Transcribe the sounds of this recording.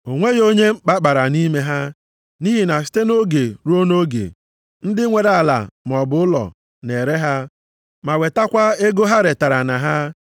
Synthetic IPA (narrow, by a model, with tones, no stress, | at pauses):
o˨ŋʷe˦ɣo˦ɲe˦ŋ͡m̩˦k͡pa˦k͡pa˨ɾa˨ni˦me˦ɦa˦ | ni˦ɦi˨na˨s̬ɪ̥˦te˦no˦ɡe˨ɾu˦o˦no˦ɡḛ˨ | n̩˦dɪ˦ŋʷe˨ɾa˨la̰˨m˨ɔ˨bʊ˨ʊ˦lɔ̰˨ | ne˨ɾe˦ɦa˦ | ma˨we˨ta˦kʷa˦e˦ɡo˦ɦa˦ɾe˨ta˨ɾa˨na˨ɦa˦